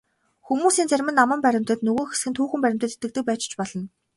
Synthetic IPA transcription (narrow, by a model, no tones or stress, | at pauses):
xumuːsiːnt͡særʲmɘ̆nːamə̆mpæɾʲɪ̆m̥t̪ə̆t̪nɵɣoːxesɡɘ̆nt̪ʰuːxɘ̆mpæɾʲɪ̆m̥t̪ə̆t̪ʰet̪ɘ̆t̪ɘ̆k̚pæːt͡ɕt͡ɕpɔɮɞ̆n